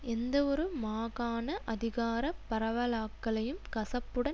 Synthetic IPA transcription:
ɛnd̪ɐɔɾɯmaːɣaːnɐʔɐðɪɣaːɾɐpːɐɾɐʋɐlaːkːɐɭɐjɯmkɐsɐpːɯɽɐ

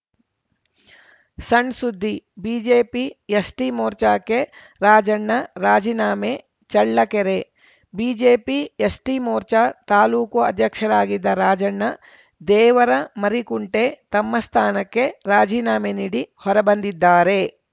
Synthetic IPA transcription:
sɐɳɖsud̪ʱːibiːd͡ʒeːpijɐsʈimoːɾt͡ʃaːkːe | ɾaːd͡ʒɐɳːɐɾaːd͡ʒiːnaːme | t͡ʃɐɭːɐkeɾe | biːd͡ʒeːpijɐsʈimoːɾt͡ʃaːt̪aːluːkuɐd̪ʱjɐkʂɐɾaːɡid̪ːɐɾaːd͡ʒɐɳːɐ | d̪ɛːʋɐɾɐmɐɾikuɳʈet̪ɐmːɐst̪ʰaːnɐkːe̞ɾaːd͡ʒiːnaːmeniːɽihɔɾɐbɐnd̪id̪ːaːɾe

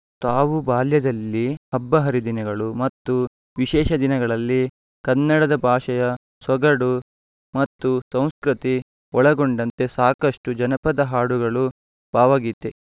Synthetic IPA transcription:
t̪aːʋubaːljɐd̪ɐlːihɐbːɐɦɐɾid̪inɐɡɐɭumɐt̪ːu | ʋiʃɛːʃɐd̪inɐɡɐɭɐlːi | kɐnːɐɽɐd̪ɐbʱaːʂɐjɐ | sɔɡɐɽu | mɐt̪ːusɐ̃w̃skɾit̪i | ɔɭɐɡoɳɖɐnt̪e̞saːkɐʂʈud͡ʒɐnɐpɐd̪ɐɦaːɽuɡɐɭu | b̥aːʋaːɡit̪ːe

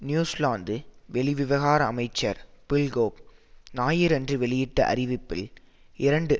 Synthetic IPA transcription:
njuːslaːnd̪ɯʋɛɭɪʋɪʋɐɣaːɾɐɐmɐɪt͡ʃːɐɾpɪlɡoːp̚naːjɪɾɛndrɯʋɛɭɪjɪʈːɐʔɐ̰ɾɪʋɪpːɪ̰l | ɪɾɐɳɖɯ

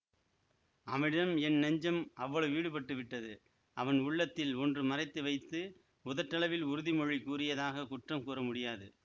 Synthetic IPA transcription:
ɐmɪɽɐmɛnnɐɲd͡ʒɐmɐʋːɐɭɐʋiːɽɯpɐʈːɯʋɪʈːɐðɯ | ɐʋɐnʊɭːɐt̪ːɪlɔndrɯmɐrɐɪt̪ːɯʋɐɪt̪ːɯ | ʊðɐʈːɐɭɐʋɪlʊɾɯðimɔɻikuːrɪjɐðaːɣɐkʊʈrɐmkuːrɐmʊɽɪjaːðɯ

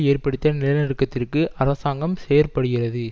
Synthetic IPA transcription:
eːrpɐɽɯt̪ːɐnɪlɐnɪɾɯkːɐt̪ːɪrkɯʔɐɾɐsaːŋɡɐmseːjɐrpɐɽɯɣɪrɐðɯ

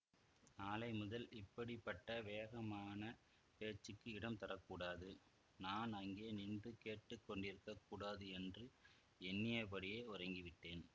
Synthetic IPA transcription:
aːlɐɪmʊðɐlɪpːɐɽɪpːɐʈːɐʋeːɣɐmaːnɐ | peːt͡ʃːɯkːɯɪɽɐmt̪ɐɾɐkːuːɽaːðɯ | naːnɐŋɡeːnɪɳbɯkeːʈːɯkːɔɳɖɪɾɯkːɐkːuːɽaːðɯɛndrɯ | ɛnːɪjɐpɐɽɪjeːʊrɐŋɡɪʋɪʈːeːn

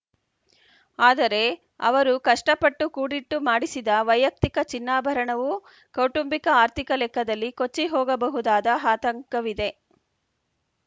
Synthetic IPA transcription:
aːd̪ɐɾe̞ | ɐ̰ʋɐɾukɐʂʈɐpɐʈːukuːɽiʈːumaːɽisid̪ɐʋɐjɐk̚t̪ikɐt͡ʃinːaːbʱɐɾɐɳɐʋu | kɐwʈumbikɐaːɾt̪ʰikɐlɛkʰːɐd̪ɐlːikot͡ʃːiɦɔːɡɐbɐɦud̪aːd̪ɐɦaːt̪ɐŋkɐʋid̪e̞

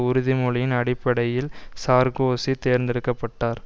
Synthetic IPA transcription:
ʊɾʊðimʊɭɪjɪnɐɽɪpːɐɽɐjɪlsaːɾɡoːsit̪eːɾnd̪ɪɾɯkːɐpːɐʈːaːɾ

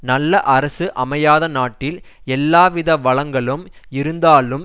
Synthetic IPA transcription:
nɐlːɐʔɐɾɐsɯʔɐmɐjaːðɐnaːʈːɪlɛlːaːʋɪðɐʋɐɭɐŋɡɐɭɯmɪɾɯnd̪aːlɯm

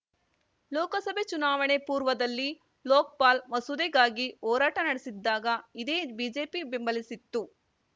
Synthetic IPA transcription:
lɔːkɐsɐbʱet͡ʃunaːʋɐɳepuːɾʋɐd̪ɐlːi | lɔːk̚paːlʋɐsud̪ɛɡaːɡiɔːɾaːʈɐnɐɽesid̪ːaːɡɐid̪e̞ːbiːd͡ʒe̞ːpibembɐlisit̪ːu

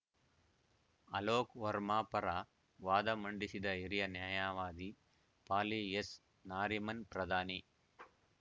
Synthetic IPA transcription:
ɐloːkʋɐɾmaːpɐɾa | ʋaːd̪ɐmɐɳɖisid̪ɐiɾijɐnjaːjaːʋaːd̪i | paːlies | naːɾimɐnpɾɐd̪ʱaːni

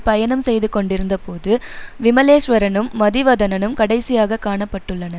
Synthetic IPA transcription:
pɐjɐɳɐmsɛjðɯkːɔɳɖɪɾɯnd̪ɐpoːðɯʋɪmɐleːʂʋɐɾɐnɯmːɐðɪʋɐðɐnɐnɯmkɐɽɐɪsɪjaːɣɐkːaːɳɐpːɐʈːɯɭːɐnɐ

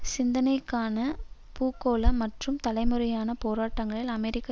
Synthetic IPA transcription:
sɪnd̪ɐnɐɪkːaːnɐpuːkːoːlɐmɐʈrɯmt̪ɐlɐɪmɯɾɐjaːnɐpoːɾaːʈːɐŋɡɐɭɪlɐmɛɾɪkːɐ

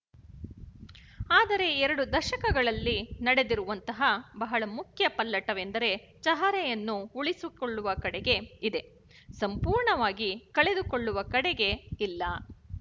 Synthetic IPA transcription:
aːd̪ɐɾe̞ɛɾɐɽud̪ɐʃɐkɐɡɐɭɐlːinɐɽe̞d̪iɾuʋɐnt̪ɐɦɐbɐɦɐɭɐmukʰjɐpɐlːɐʈɐʋend̪ɐɾe̞ | t͡ʃɐɦɐɾɛjɐnːuuɭisuko̞ɭːuʋɐkɐɽeɡe̞id̪e̞ | sɐmpuːɾɳɐʋaːɡikɐɭe̞d̪ukoɭːuʋɐkɐɽeɡe̞ilːɐ

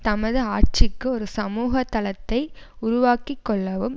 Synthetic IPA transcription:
t̪ɐmɐðɯaːʈ̚t͡ʃɪkːɯɔɾɯsɐmuːɣɐt̪ːɐlɐt̪ːɐɪ | ʊɾʊʋaːkikːɔɭːɐʋɯm

